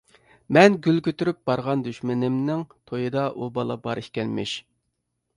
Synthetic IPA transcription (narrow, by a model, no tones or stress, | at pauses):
mɛnɡʲylkʲʰøt̪yɾyp̚b̥ɑɾʁɑnd̪yʃmɪnɪmnɪŋt̪ʰojɨd̪ɑʔubɑlˠɑ̰bɑɾʔihkʲɛnmɪ̰ʃ